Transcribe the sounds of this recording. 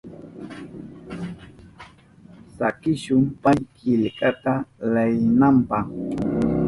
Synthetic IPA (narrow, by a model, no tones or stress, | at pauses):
sa̰kɪʃʊmpajkɪʎkʼat̪alajnampɑχ